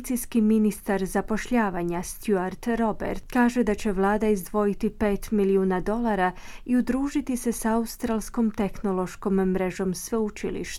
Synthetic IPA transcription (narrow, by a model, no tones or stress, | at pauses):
t̪sijskiminist̪aɾzapo̞ʃʎaːʋaɲast̪juaɾt̪ɾo̞bḛɾt̪kaːʒe̞d̪at͡ɕe̞ʋlˠaːd̪aizd̪ʋo̞jit̪ipe̞ːt̪miliuːnad̪o̞lˠaɾa | iud̪ɾuːʒit̪ise̞saust̪ɾaːlˠsko̞mt̪e̞xno̞lˠo̞ʃkommɾeʒo̞msʋeut͡ʃḭlḭʃt̪